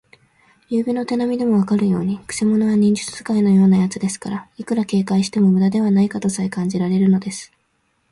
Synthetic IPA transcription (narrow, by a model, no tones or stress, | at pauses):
jɯːbʲino̞t̪e̞namʲid̪e̞mo̞β̞akaɾɯ̟jo̞̰ːɲ̟ikɯ̟̥semo̞no̞βaɲ̟ĩɲ̟d͡ʑɨt͡sɨz̥ɨ̥kaino̞jo̞ːnajat͡sɨd̪e̞sɨ̥kaɾaikɯ̟ɾake̞ːkaiɕi̥t̪e̞mo̞mɯ̟d̪ad̪e̞β̞anaikat̪o̞saekãɲ̟d͡ʑiɾaɾe̞ɾɯ̟no̞d̪e̞sɨ̥